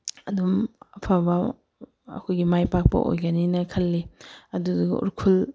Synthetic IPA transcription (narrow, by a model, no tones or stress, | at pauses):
ɐdumɐpʰabɐ | ɐ̰kʰojɡimajpak̚pɐ̰ʔo̰jɡɐninɐkʰɐlːiɐduduɡɐ̰ṵɾkʰul